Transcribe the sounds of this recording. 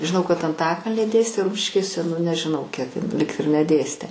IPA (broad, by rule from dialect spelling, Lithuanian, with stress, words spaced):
ʒʲɪˈnɐʊ kɐt ɐnˈtɑːkɐlʲnʲiː ˈdʲeːsʲtʲeː ˈrʊmʲʃʲɪʃʲkʲeːsʲɛ nʊ nʲɛʒʲɪˈnɐʊ kʲiɛk ɪn lʲɪk ɪr nʲɛˈdʲeːsʲtʲeː